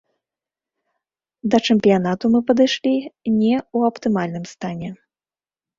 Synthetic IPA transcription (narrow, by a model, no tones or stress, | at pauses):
d̪ɐt͡ʂɨmpʲijanat̪umɨpɐd̪ɨjʂlʲinʲɛuɐpt̪ɨmalʲnɨmst̪anʲɛ